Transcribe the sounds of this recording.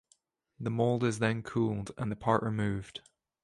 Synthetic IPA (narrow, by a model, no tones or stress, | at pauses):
ðəmolˠdɪzðə̃nkʰulˠdə̰̃nðəpʰaɹʔɹɪmʉːvd̥